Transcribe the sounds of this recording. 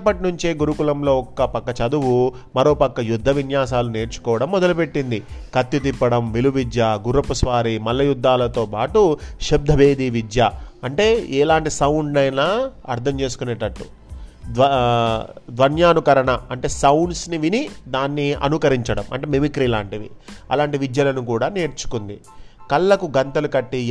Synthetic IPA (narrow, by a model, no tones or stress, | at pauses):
pːɐʈinuɲt͡ʃeːɡuɾukulɐmlo̞ːɔkːɐpɐkːɐt͡ʃɐd̪uʋu | mɐɾo̞ːpɐkːɐjud̪ʱːɐʋinjaːs̬aːlune̞ːɾt͡ʃu̥kɔːʋɐɽɐmːɔd̪ɐlupe̞ʈːind̪ikɐt̪jut̪ipːɐɽɐmʋiluʋid̪jaːɡuɾɐpusʋaːɾimɐlːɐjud̪ʱːaːlɐt̪o̞ːpaːʈuʃɐb̚d̪ʱɐʋeːd̪iʋid̪jaːɐɳʈe̞ːɛːlaːɳʈisɐwɳɖɐjnaːɐɾt̪ʰɐmt͡ʃe̞ːsu̥kuneːʈɐʈːu | ʋɐ | d̪ʋɐnjaːnukɐɾɐɳɐɐɳʈe̞ːsɐwɳɖsniʋinid̪aːnːiɐ̰nukɐɾiɲt͡ʃɐɽɐmɐ̰ɳʈeːmemikɾiːlaːɳʈiʋiɐ̰laːɳʈiʋid͡ʒ̪jɐlɐnukuːɽaːne̞ːɾt͡ʃu̥kund̪i | kɐlːɐkuɡɐnt̪ɐlukɐʈːi